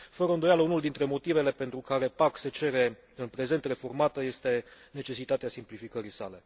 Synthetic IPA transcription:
fəɾəɨnd̪o̞jaləunuld̪int̪ɾe̞mo̞t̪ive̞le̞pe̞nt̪ɾukaɾe̞pakse̞t͡ʃe̞ɾe̞ | ɨnpɾe̞ze̞nt̪re̞fo̞rmat̪əje̞st̪e̞ne̞t͡ʃe̞sit̪at̪easimplifikəɾisale̞

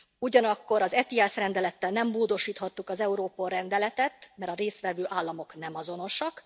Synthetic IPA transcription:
uɟɒnɒkːo̞ɾɒzɛt̪iɛsrɛnd̪ɛlɛt̪ːɛlnɛmːoːd̪o̞ʃiːt̪hɒt̪ːukɒzɛuɾoːpolrɛnd̪ɛlɛt̪ɛt̪mɛɾɒɾeːst̪ʋɛvøːʔaːlːɒmo̞knɛmɒzo̞no̞ʃɒk

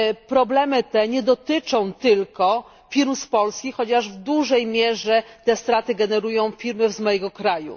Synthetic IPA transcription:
pɾɔblɛmɘt̪ɛɲɛd̪ɔt̪ɘt͡ʂɔ̃w̃t̪ɘlkɔ | fʲiɾmspɔlskʲixxɔt͡ɕaʐvd̪uʐɛjmʲjɛʐɛt̪ɛst̪ɾat̪ɘɡɛnɛɾujɔ̃w̃fʲiɾmɘvzmɔjɛɡɔkɾajṵ

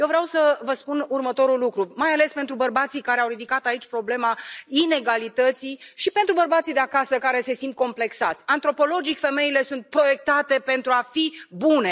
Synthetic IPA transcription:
jewvɾawsəvəspunurmət̪o̞ɾulukɾumajale̞spe̞nt̪ɾubərbat̪sijkaɾeawɾid̪ikat̪ait͡ʃʲpɾo̞ble̞maine̞ɡalit̪ət̪siʃipe̞nt̪ɾubərbat̪sijd̪e̞akasəkaɾe̞se̞sint̪̚ko̞mple̞ksat̪sʲant̪ɾo̞po̞lo̞d͡ʒikfe̞me̞ile̞sunt̪̚pɾo̞je̞k̚t̪at̪e̞pe̞nt̪ɾuafibune̞

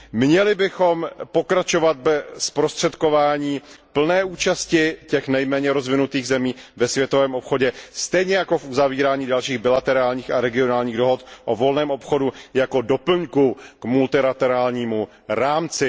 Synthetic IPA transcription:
mɲɛlɪbɪxo̞mpo̞kɾat͡ʃo̞vat̪̚bɛspɾo̞st̪r̝̥ɛt̪ko̞vaːɲiːpl̩nɛːʔuːt͡ʃascɪcɛxnɛjmɛːɲɛɾo̞zvɪnut̪iːɣzɛmiːvɛsvjɛt̪o̞vɛːmo̞pxo̞ɟɛst̪ɛjɲɛjakofʔuzaviːɾaːɲiːdalʃiːɣbɪlat̪ɛɾaːlɲiːxaɾɛɡɪo̞naːlɲiːɣdo̞ɦo̞t̪ʔovo̞lnɛːmʔo̞pxo̞dujako̞do̞pl̩ɲkukmult̪ɪlat̪ɛɾaːlɲiːmu | ɾaːmt͡sɪ

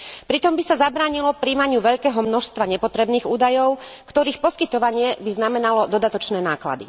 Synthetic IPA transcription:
pɾit̪ɔmbisazabɾaːɲilɔpɾiːmaɲɪuʋɛʎkɛːɦɔmnɔʃst̪ʋaɲɛpɔt̪ɾɛbniːɣuːd̪ajɔʊkt̪ɔɾiːxpɔskit̪ɔʋaɲɪɛbiznamɛnalɔd̪ɔd̪at̪ɔt͡ʃnɛːnaːkla̰d̪ḭ

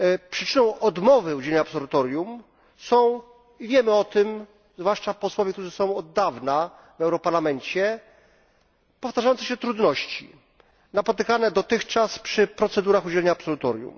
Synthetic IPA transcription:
pʂɘt͡ʂɘnɔ̃w̃ɔd̪mɔvɘud͡ʑɛlɛɲaːpsɔlut̪ɔɾjum | sɔ̃w̃ | ivʲjɛmɘɔt̪ɘm | zvwaʂt͡ʂapɔswɔvʲjɛkt̪uʐɘsɔ̃w̃ɔd̪ːavna | vɛwɾɔpaɾlamɛɲt͡ɕɛ | pɔft̪aʐajɔnt̪ɛɕɛt̪ɾud̪nɔɕt͡ɕḭ | napɔt̪ɘkanɛd̪ɔt̪ɘxt͡ʂaspʂɘpɾɔt̪sɛd̪uɾaxud͡ʑɛlʲɛɲaːpsɔlut̪ɔɾjṵm

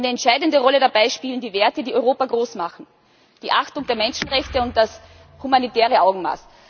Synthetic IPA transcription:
nəɛntʃaɪdndəʁɔlədabaɪʃpiːlən̩diːveːɐtədiːʔɔʏʁoːpaɡʁoːsmaχn̩ | d̥iːʔaxtʊŋdeːɐmɛnʃn̩ʁɛçtəʊnt̚d̥as | humanitɛːʁ̞əʔaʊɡŋ̩ma̰ːs

